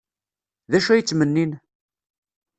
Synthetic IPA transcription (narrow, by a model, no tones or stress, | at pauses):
ðæʃæjət͡sːmənːin